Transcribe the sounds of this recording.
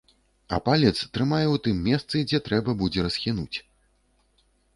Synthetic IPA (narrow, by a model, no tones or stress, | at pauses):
ɐ̰palʲɛt̪st̪ɾɨmajɛwt̪ɨmːʲɛst̪sɨd͡zʲɛt̪ɾɛbɐbud͡zʲɛɾɐsxʲinut͡sʲ